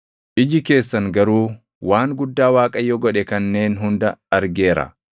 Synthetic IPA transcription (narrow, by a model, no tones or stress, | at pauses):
ʔɪd͡ʒɪke̞ːsːɐŋɡɐɾuː | waːŋɡʊd̪ːaːwaːkʼɐjːɔɡɔᶑɛkɐnːe̞ːnɦʊnd̪ɐɐɾɡe̞ːɾɐ̰